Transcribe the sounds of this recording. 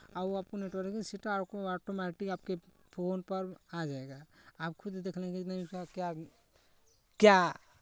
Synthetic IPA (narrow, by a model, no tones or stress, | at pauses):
aboaːp̚koneʈaɾekisiʈaaːkoaːʈomɛːʈɪkaːp̚ke | pʰoːnpɐɾad͡ʒaːeɡaːaːpkʰʊd̪d̪eːkʰlẽkinɐɦĩkakja | kja